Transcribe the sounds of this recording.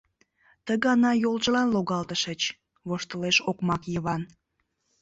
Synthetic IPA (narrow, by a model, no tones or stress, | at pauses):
t̪əɣɑnɑjolʒəlɑnloɣɑlt̪əʃət͡ɕ | βoʃt̪əleʃokmɑkjəβɑn